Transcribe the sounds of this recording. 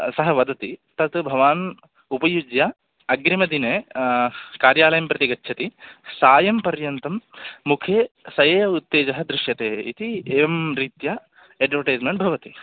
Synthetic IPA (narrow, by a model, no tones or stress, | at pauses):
sɐɦɐʋɐd̪ɐt̪it̪ɐt̪bʱɐʋaːn | upɐjud͡ʒjɐ | ɐɡɾimɐd̪ineː | kaːɾjaːlɐjɐmpɾɐt̪iɡɐtːʃʰɐt̪isaːjɐmpɐɾjɐnt̪ɐmːukʰjeːsɐjeːut̪ːeːd͡ʒɐɦɐd̪ɾɪʃjɐt̪eːḭt̪iemɾiːt̪ja | eɖʋɐɾʈɐjd͡ʒmeɳʈ̚bʱɐʋɐt̪i